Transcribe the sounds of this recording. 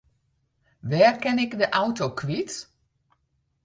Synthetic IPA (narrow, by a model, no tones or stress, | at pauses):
ʋɛːrkɛnɪkdəʔawtokʰʋit